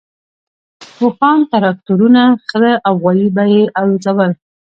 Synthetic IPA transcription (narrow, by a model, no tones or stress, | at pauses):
pʊfɑnt̪aɾɑk̚t̪uɾunaxəzaʔawɣɑjibajeʔalot͡sawəl